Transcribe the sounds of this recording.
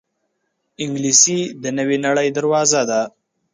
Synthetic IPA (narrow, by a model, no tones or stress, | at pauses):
ɪŋɡlisid̪ənəwenaɽəjd̪aɾwɑzad̪a